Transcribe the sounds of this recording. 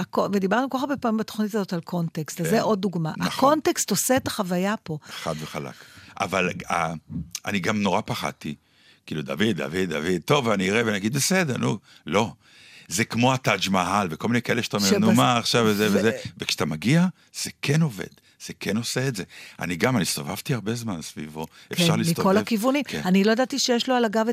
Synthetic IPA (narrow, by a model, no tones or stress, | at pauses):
akoved̪ibaʁnukaabepamimbet̪o̥χnitazotalkʰo̞ntekst̪zeʔo̞d̪̚ːuɡmaʔako̞ntekst̪osetaχavajapo̞χadveχala̰kʔa̰vala̰a̰niɡamno̞ʁapaχa̰t̪i | kiːlud̪a̰vid̪ːa̰vid̪ːa̰vid̪̚t̪o̞vaniiʁevenaɡid̪besed̪eʁnu | lo̞ | zekmo̞at̪ad͡ʒmaɦalveko̞lminekaeleʃtomeʁenumaːχʃavvezevezevekʃḁt̪amaɡia | z̥ekʰeno̞vḛd̪ | z̥ekʰeno̞seetze̞a̰niɡamanistova̰v̥t̪iaʁbe̞zmansvḭvo̞efʃaʁlit̪okolakivunimkenanilojed̪at̪iʃejeʃloalaɡav